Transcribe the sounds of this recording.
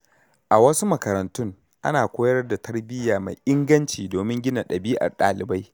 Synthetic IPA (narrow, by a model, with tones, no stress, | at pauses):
ʔa˨wɐ˦su˦mɐ˨kɐ˨ɾɐ˨ntʊ˦ŋ | ʔa̰˦naː˨kʷoː˦jɐ˦rda˨tɐ˦rbɪ˦jaː˨ma̰˨jʔɪ˦ŋɡɐ˦nt͡ʃiː˨doː˨mɪ˦ŋɡʲɪ˦na˨ɗɐ˨biː˦ʔa̰˨ɗa̰ː˨lɪ˨ba˦j